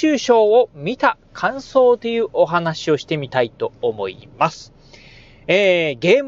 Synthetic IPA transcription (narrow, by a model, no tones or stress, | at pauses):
ɨːɕo̞ːomʲit̪akʰãɰ̃so̞ːt̪e̞jɯ̟ːʔo̞ɦanaɕio̞ɕi̥t̪e̞mʲit̪ait̪o̞ːmo̞̰ḭmasɨ̥ | eːɡe̞ːm